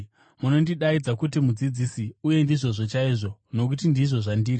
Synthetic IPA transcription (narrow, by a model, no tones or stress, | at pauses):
muno̞ndiɗaid͡zakut̬imud͡zid͡zisiuje̞ndiʐo̞ʐo̞t͡ʃaiːʐo̞no̞k̬utindiʐo̞ʐandiːɾi